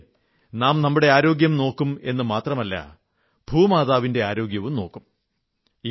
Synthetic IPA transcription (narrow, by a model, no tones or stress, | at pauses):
naːmnɐmːuɽe̞aːɾo̞ːɡjɐmno̞ːkːume̞̰nːɨmaːt̪rɐmɐlːɐ̰ | bʱuːmaːðaːʋinde̞aːɾo̞ːɡjɐʋumno̞ːkːum